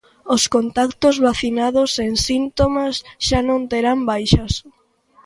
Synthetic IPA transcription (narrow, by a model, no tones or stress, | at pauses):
oskont̪akt̪ozβaθinaðoseŋsint̪omasʃanõnt̪eɾambajʃas